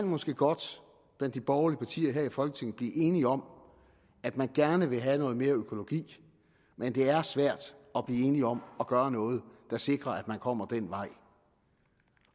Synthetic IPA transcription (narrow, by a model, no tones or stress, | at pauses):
kænmɒ̽sɡ̥e̝̰ːɡ̥ɒ̽d̥ | b̥lænd̥ib̥ɒʊɐliəpʰɑ̈t͡sʰḭːɐɦe̝ɐ̰ifɒ̽lɡ̥ət͡sʰe̝ŋ̰ð̩ˠb̥liːʔe̝ːniɒ̽m | æd̥mænɡ̥æɐnəʋe̝ɦænɔ̽ːð̞̩ˠme̝ːɐøkʰo̝lo̝ɡ̥ḭː | mend̥e̝æɐsʋæɐ̰d̥ɒ̽b̥liːe̝ːniɒ̽mɒ̽ɡ̥ɶːɐnɔ̽ːð̞̩ˠd̥ɑ̈se̝ɡ̥ʁɐæd̥mænkʰɒ̽m̰ɐd̥en̰ʋɑ̈ɪ̰